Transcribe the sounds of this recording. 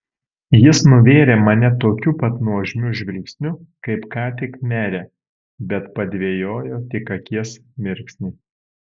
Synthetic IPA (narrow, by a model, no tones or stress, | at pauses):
jɪsnʊʋʲeːɾʲeːmɐnʲɛt̪oːkʲupɐt̪nuɔʒʲmʲʊʒʲʋʲɛlʲksʲnʲʊkɐɪpkɑːt̪ʲɪkmʲæːɾʲeː | bʲɛt̪pɐd̪ʲʋʲeːjoːjoːt̪ʲɪkɐkʲiɛsmʲɪɾʲˑksʲnʲɪ